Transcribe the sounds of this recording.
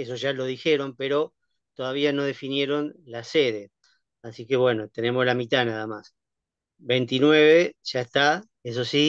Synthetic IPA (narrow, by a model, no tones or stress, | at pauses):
eso̞ʒalo̞ð̞ixe̞ɾo̞mpe̞ɾo̞ | t̪o̞ðaβ̞iano̞ðe̞finje̞ɾo̞nlase̞ðe̞ | asike̞βwe̞no̞t̪e̞ne̞mo̞slamit̪anaðamas | βejnt̪inwe̞β̞e̞ʒ̥aest̪a | es̬osi